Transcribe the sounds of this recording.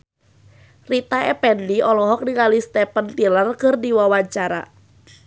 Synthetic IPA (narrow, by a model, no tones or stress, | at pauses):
rit̪aɛpɛnliɔlɔɦɔk̚diŋalist̪ɛpənt̪ilərkɨrdiwawaɲt͡ʃaɾa̰